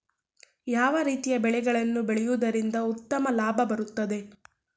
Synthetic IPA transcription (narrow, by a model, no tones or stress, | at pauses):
jaːʋɐɾiːt̪ijɐbɛɭɛɡɐɭɐnːubeɭɛjuːd̪ɐɾind̪ɐut̪ːɐmɐlaːbʱɐbɐɾut̪ːɐd̪e̞